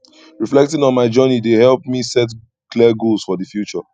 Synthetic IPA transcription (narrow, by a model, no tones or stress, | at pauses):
ɹiflɛk̚tɪ̃ŋɔ̃nmaɪd͡ʒɜnidehɛlˠp̚misɛt | kliəɡolz̥fɔðəfjut͡ʃə